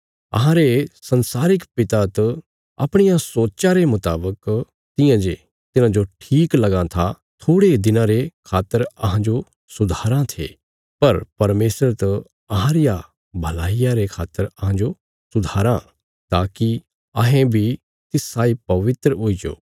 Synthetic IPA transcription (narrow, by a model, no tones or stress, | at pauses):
ɐ̰ɦãɾesɐ̃nsaːɾɪkpɪt̪at̪ɐ | a̰ːpɽ̃ɪjasoːtːt͡ʃaɾemʊt̪aːbək | t̪ɪjãd͡ʒe | t̪ɪnãd͡ʒoʈʰiːklɐɡãt̪ʰa | t̪ʰoːɽed̪ɪnãɾekʰaːt̪ːəɾɐɦãd͡ʒo | sʊd̪ʱaːɾãt̪ʰḛː | pɐɾpɐɾmeːsɾəɾt̪ɐ | ɐɦãɾɪja | bʱɐlaːijaɾekʰaːt̪ːəɾɐɦãd͡ʒo | sʊd̪ʱaːɾã | t̪aːki | ɐɦẽbʱi | t̪ɪsaːipɐʋɪt̪ɾəɦʊid͡ʒo̰ː